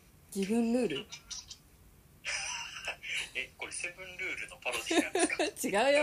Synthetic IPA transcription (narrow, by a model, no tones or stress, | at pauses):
ɡʲibɯ̟̃nɾɯ̟ːɾɯ̟ | ekoɾesebɯ̃nɾɯːɾɯ̟nopʰaɾosat͡ɕiɡaɯjo